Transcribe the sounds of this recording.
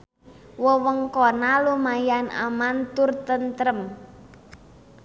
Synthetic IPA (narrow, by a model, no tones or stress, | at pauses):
wəwəŋkonalumajanʔa̰mant̪ʊrt̪ənt̪ɾəm